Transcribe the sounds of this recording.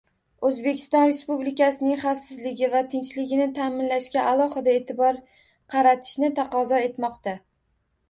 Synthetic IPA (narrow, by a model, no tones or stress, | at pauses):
ɵzbe̞kʲʰɪ̥st̪ɒnɾe̞spublɪkʲasɪnɪŋχɑfsɪzlɪɡʲɪvat̪ʰɪnt͡ʃlɪɡʲɪnɪt̪ʰamɪnlaʃkʲaʔalˠɒχɨd̪ae̞ːt̪ʰɪbɒɾ | qʰɑɾat̪ʰɪ̥ʃnɪt̪ʰaqɒzɒe̞t̪mɒqt̪a